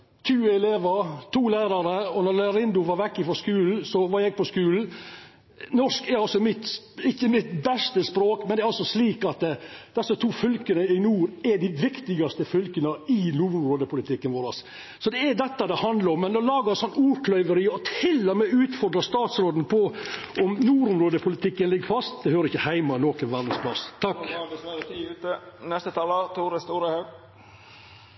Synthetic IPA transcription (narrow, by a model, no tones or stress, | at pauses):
t̪ʰʉːəɛleːʋəɾt̪ʰuːlæːɾɑɾəɔnɔɾlɛɾɪnd̪ʊʋɑɾʋɛkːɪfɔskʉːln̩sɔʋɑɾjæɡ̚pɔskʉːln̩ | nɔʂkɛɾɑlsɔmɪt̪ | ɪçːəmɪt̪bɛst̪əspɾoːkmɛnd̪ɛɾɑlsɔsliːkɑt̪ːd̪̥ɛsːət̪ʰuːfʏlkənəɪnuːɾɛɖɪʋɪkt̪ɪɡɑst̪əfʏlkənəɪnuːɾʊmɾoːd̪əpʊlɪt̪ʰɪkːənʋoːɾɑs | sɔd̪ɛɛd̪ɛt̪ːɑd̪ɛhɑnd̪lɑɾɔmːɛnɔlɑːɡəɾɛnsɔnːuːɾkʰlœʏʋəɾiɔt̪ʰɪlːɔmeːʉːt̪fɔɾd̪ɾɑst̪ɑːt̪sɾoːd̪n̩pʰɔ | ʔɔmnuːɾʊmɾoːd̪əpʰʊlɪt̪ʰɪkːənlɪɡːəɾfɑst̪d̪ɛhøːɾəɾɪçːəhæɪmɑnoːkənʋæɾd̪n̩spʰlɑst̪ʰɑkːst̪ənɛst̪ət̪ʰɑːlət̪ʰuːɾəst̪uːɾəhɑɡ